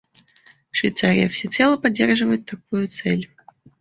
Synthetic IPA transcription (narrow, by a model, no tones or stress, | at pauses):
ʂvʲɪjt̪saɾʲɪ̰jəfsʲɪt̪sɛlˠəpɐdʲːerʐɨvəjɪt̪ːɐk̚ujʊt̪sɛlʲ